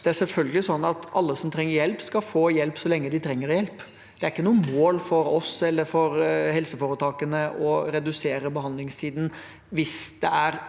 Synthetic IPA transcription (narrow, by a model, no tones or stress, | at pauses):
d̪̥ɛæɾʂɛlfœlɡəlɪsɔnːɑt̪ɑlːəsɔmt̪ʰɾɛŋːəɾjɛlpskɑfoːjɛlpsɔlɛŋːəd̪ɪt̪ʰɾɛŋːəɾjɛlp | d̪̥ɛæɾɪkːənuːəmoːlfɔɾɔsɛlːəɾfɔɾhɛlsəfoːɾət̪ʰɑːkənəʔɔɾɛd̪ʉseːɾəbəhɑnd̪lɪŋst̪ʰiːd̪n̩ | ʋɪsd̪̥ɛæɾ